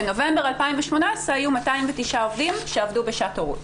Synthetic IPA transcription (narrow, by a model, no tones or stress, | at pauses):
eno̞vembe̞ʁalpaimveʃmo̞nasaajumataimvetiʃaovdimʃeavdube̞ʃatoʁṵt